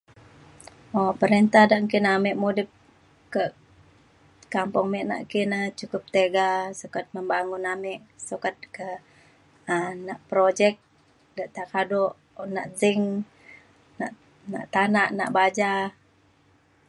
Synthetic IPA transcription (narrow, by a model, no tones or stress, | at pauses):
opəɾint̪ahdaʔŋkinamɛʔmudɪp̚ | kə | kampʊŋmɛʔna̰ʔkinət͡ʃukʊp̚t̪eɡasukat̪̚məmbaŋʊnamɪʔsukat̪̚kə | ənaʔpɾod͡ʒɛk̚ | daʔt̪akadɔʔ | na̰ʔzɪŋ | na̰ʔ | na̰ʔt̪anaʔna̰ʔbad͡ʒa